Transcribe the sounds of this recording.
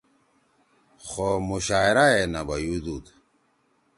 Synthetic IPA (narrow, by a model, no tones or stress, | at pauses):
xomuɕaːeɾaenabɐjud̪ut̪